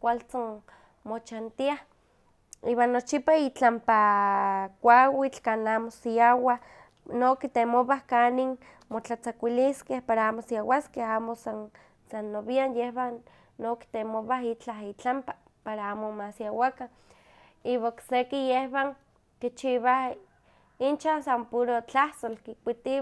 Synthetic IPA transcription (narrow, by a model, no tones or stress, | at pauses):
kʷalt͡san | mot͡ʃant̪iah | iːwanːot͡ʃipait͡ɬampa | kʷawit͡ɬkanaːmosiawa | nokit̪emoβahkaniŋ | mot͡ɬat͡sakʷiliskehpaɾaaːmosiawaskehaːmosan | sanːoβianjehβanː | oki̥t̪emoβaɦit͡ɬaɦit͡ɬampa | paɾaaːmomasjawakan | iβaoksekijehβaŋ | kit͡ʃiβah | int͡ʃansampuɾot͡ɬaht̪olkikʷit̪i